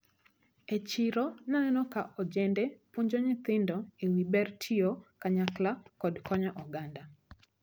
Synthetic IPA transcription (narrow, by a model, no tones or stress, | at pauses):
et͡ʃɪɾɔnaɛnɔkaʔɔd͡ʒɛndɛpuɲd͡ʒoɲɪt̪ɪndɔewibɛrtʰiɔkaɲaklakɔdkʰɔɲaʔɔɡanda